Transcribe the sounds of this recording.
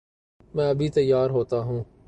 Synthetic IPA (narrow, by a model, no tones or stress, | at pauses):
mɛ̃ːɐbʱit̪ɐjːaːɾɦoːt̪aɦũː